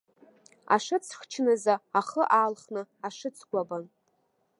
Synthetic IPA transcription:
a̰ʂɨt͡sʰχt͡ʃʰnɨzaːχəʔaːlχnɨaʂɨt͡sʰɡʷaban

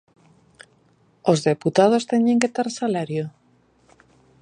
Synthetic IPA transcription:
ozðeput̪að̞ost̪eɲeŋket̪aɾsalaɾjo

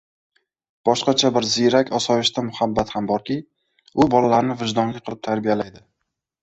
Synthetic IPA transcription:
b̥ɒʃqɑt͡ʃʰabɪɾzɪɾakʲʰɒsɒjɪʃt̪amʊhabːat̪hambɒɾkʲɪ | ʊbɒlalaɾnɪvɪʒd̪ɒnlɪqʰɨlɪp̚t̪ʰaɾbijalajd̪ɪ

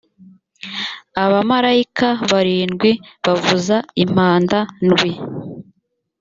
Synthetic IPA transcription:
aβamaɾaikaβaɾiːnɡwiβavuzaim̥aːndanɡwi

